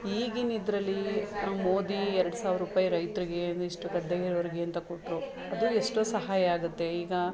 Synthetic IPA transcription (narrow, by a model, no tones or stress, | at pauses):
iːɡinid̪ɾɐlːimo̞ːd̪iɛɾɐɽusaːʋɾupaːjiɾɐjt̪ɾiɡe̞ɐnd̪iʂʈuɡɐd̪ɐjiɾʋɐɾiɡeɐnt̪ɐkoʈːɾu | ɐd̪ueʂʈosɐɦaːjɐaːɡut̪ːe̞iːɡɐ